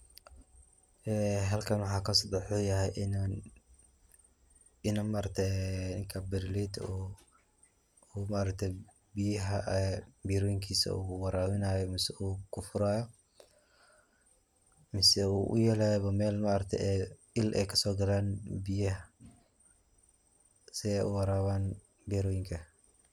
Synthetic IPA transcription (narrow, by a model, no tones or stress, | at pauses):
ʔɛːɦɐlkʰɐnwɑħɑːkʰɐsd̪ɐħɔːjɐɦɛjʔn | ɪnɐmaːɾɐk̚t̪ʰɛɛnɪŋkʰɐbɪɾlid̪ | umaʔɾɐk̚t̪ʰɛj | bɪjɐɦɐʔbiːɾɔːjɪŋkʰiːsɐ̰uːwɑɾaːwɪnaːjɔmɪsɛuːkʰʊfʊɾaːjɔ | mɪsɛuʔʊ̰jɛlɛjɔβɐmɛːlmaʔɾɐk̚t̪ʰɛ̰ʔɛ | ɪlʔɛ̰ːkʰɐsɔːɡɐlaːnbɪjɐɦ | sɪɛʔuwɐɾaːwaːn | biːɾɔːjɪŋkʰɐ